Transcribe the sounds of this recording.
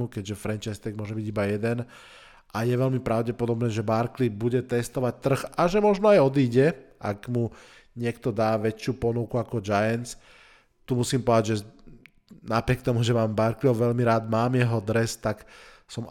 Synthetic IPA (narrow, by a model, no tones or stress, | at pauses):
ukɛɟʒɛfɾɛnt͡ʃaɪst̪ɛɡmʊɔʒɛbiɟibajɛd̪ɛn | ʔajɛʋɛʎmipɾaʊɟɛpɔd̪ɔbnɛːʒɛbaɾklibuɟɛt̪ɛst̪ɔʋac̚t̪r̩xaʒɛmɔʒnɔajɔd̪iːɟɛʔa̰ɡmu | ɲɪɛkt̪ɔd̪aːʋɛt͡ʃɪupɔnukuakɔd͡ʒajɛnt͡s | t̪umusiːmpɔd̪aɟʒɛ | napɾɪɛk̚t̪ɔmuʒɛmaːmbaɾkliɔʊʋɛlmiɾaːd̪maːmjɛɦɔd̪ɾɛst̪ak | sɔm